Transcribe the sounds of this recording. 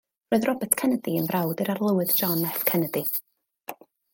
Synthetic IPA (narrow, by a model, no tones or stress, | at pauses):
roːɨðrɔbɛtʰkʰɛnədiənvrʔawdɨɾarlˠəwɨðd͡ʒɔnɛfkʰɛnədi